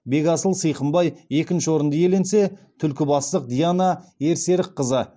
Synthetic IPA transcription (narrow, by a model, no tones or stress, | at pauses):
be̞ɡʲɑsəlˠsəjqəmbɑje̞kʲɪnʃɪwo̞ɾənd̪əje̞le̞nse̞t̪ʰʏlkʲɪbɑst̪əq̚d̪ijanae̞ɾse̞ɾɪqʰːəzə